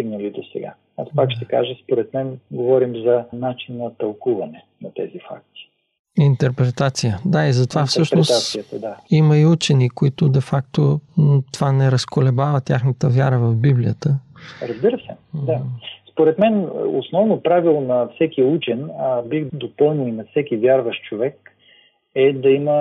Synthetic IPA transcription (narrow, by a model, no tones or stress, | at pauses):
iɡnɐlid̪osɛ̰ɡa̰ | aspakʃt̪ɛka̰ʒəspoɾɛt̪mɛnɡovɔɾimzɐnat͡ʃinːɐt̪ɐlˠkuvɐnɛ | nɐt̪ɛ̰zifa̰k̚t̪i̥ | int̪ɛɾpɾɛt̪at̪sijəd̪aizɐt̪ovafsɤʃɾɛosat̪sijət̪əd̪aimɐiut͡ʃɛnikoit̪ʊd̪ɛfak̚t̪ot̪ovanɛɾɐskolɛbavət̪ʲjaxnət̪əvjaɾəvɐvbiblijət̪əɾɐzbiɾəsɛ̰d̪aspoɾɛt̪mɛn̰o̰snɔvnopɾavilˠonɐfsɛkiut͡ʃɛnbixd̪opɤlˠnʲiinɐfsɛkʲivʲjaɾvɐʃt͡ʃovɛk | ɛd̪ɐimə